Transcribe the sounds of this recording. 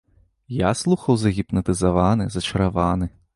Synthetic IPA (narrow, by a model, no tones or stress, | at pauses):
jaslˠuxɐwzɐɣʲipnɐt̪ɨzavanɨzɐt͡ʃɐɾavanɨ